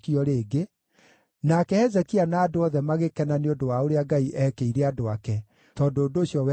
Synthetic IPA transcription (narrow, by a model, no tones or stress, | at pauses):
kiɔɾeːɡe | nakɛɛzɛkianaːdoɔðɛmaɣekɛnaneodowaoɾeaɡaiʔɛkeiɾɛadoakɛ | tɔdoːdoːɕjɔwɛ